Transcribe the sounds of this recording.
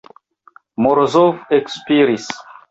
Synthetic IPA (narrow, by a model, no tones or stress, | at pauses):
moɾzofekspiɾis